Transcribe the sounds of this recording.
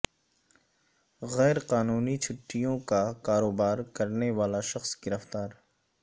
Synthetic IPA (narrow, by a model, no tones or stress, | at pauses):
ɣɛːɾqaːnuːnit͡ʃʰʊʈːijõkakaːɾoːbaːɾkɐɾneʋaːlaʃɐxsɡɪɾəft̪aːɾ